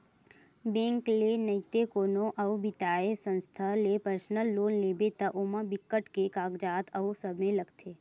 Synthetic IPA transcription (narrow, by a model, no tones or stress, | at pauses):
bẽːŋklenət̪ekoːnõʔɐʊbɪt̪aːesə̃nst̪ʰalepəɾsnəlːoːnleːbet̪ɐʔomabɪkːəʈkekaːɡd͡ʒaːt̪ʰɐusɐbmẽlɐɡt̪ʰeː